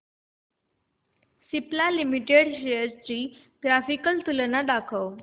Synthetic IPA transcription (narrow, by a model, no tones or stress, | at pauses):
siplalimiʈeɽɕejəɾt͡ɕiː | ɡɾafikəlt̪ulənaɖakʰəw